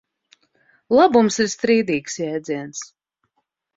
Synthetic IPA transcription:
lˠabumsiɾst̪ɾiːd̪iːksjɛːd̪ziɛns

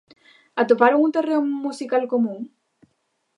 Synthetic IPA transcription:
at̪opaɾoŋunt̪ereŋmusikalkomũŋ

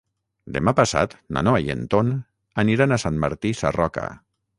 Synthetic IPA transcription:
d̪emapasa̰t̪na̰noajḛnt̪on | aniɾanasanmːaɾt̪isarɔka̰

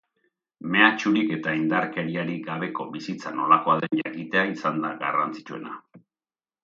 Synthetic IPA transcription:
me̞at͡ʃuɾike̞t̪aind̪aɾke̞ɾiaɾiɡaβ̞e̞ko̞bisit͡sano̞lako̞aðe̞nʎakit̪e̞aisand̪aɡa̰rant͡si̥t͡ʃue̞̰na

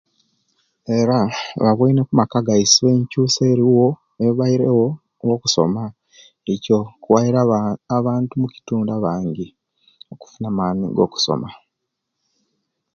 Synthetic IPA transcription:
e̞ɾaβaβwiːnekumakaɡajisiβeːɲcuːseːɾiwo̞ | eβaiɾewo | woku̥so̞̰ma | eco̞kuwaiɾaːβaːntumuci̥tuːndaβaːɲɟi | o̞ku̥funaːmaːnḭɡo̞̰ːku̥so̰ma

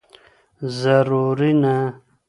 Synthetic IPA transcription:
zaɾuɾina

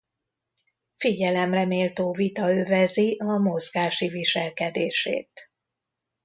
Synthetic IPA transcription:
fiɟɛlɛmrɛmeːlt̪oːvit̪ɒøvɛziʔɒmo̞zɡaːʃiviʃɛlkɛd̪eːʃḛːt̪

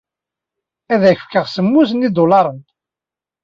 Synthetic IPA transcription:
æðæçəfkəʁsəmːusənid̪olɑɾˤən

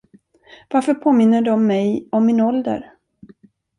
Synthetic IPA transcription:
vaɾfœɾpʰoːmɪnːəɖɔmːɛjɔmːɪnɔld̪ə̰ɾ

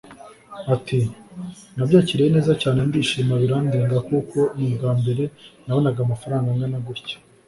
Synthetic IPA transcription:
atʰi | nabɟaːciɾejene̞ːzacaːnendiːʃimaβiɾandiːŋɡakukʰo̞nibɡaːmbe̞ɾe̞nawonaɡamafaɾaːŋɡaŋɡanaɡuɾcḁ

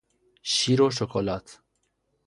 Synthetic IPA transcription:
ʃiɾoʃ̬okolat̪

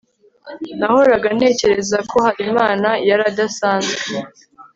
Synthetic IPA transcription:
nahoɾaɡane̞ːce̞ɾe̞zakʰo̞haɾimaːnajaɾadasaːnzɡe

